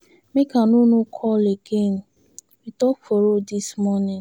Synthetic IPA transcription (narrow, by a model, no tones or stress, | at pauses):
mekanunukʰɔleɡen | witɔkfoɾodismɔnɪ̃ŋ